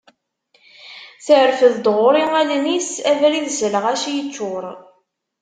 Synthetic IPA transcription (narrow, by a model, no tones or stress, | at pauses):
θəʕɾfəðd̪ʁʊɾˤiŋælnisævɾiðzələʁæʃjət͡ʃːʊɾˤ